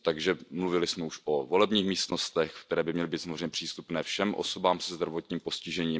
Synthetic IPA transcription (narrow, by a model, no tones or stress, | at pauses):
t̪aɡʒɛmluvɪlɪsmɛuʃovo̞lɛbɲiːxmiːst̪no̞st̪ɛxkkt̪ɛɾɛːbɪmɲɛlɪbiːsamozreɛɲːɛpr̝̥iːst̪upnɛːfʃɛmʔo̞̰sobaːmsɛzd̪ɾavo̞t̪ɲiːmpo̞scɪʒɛɲiːm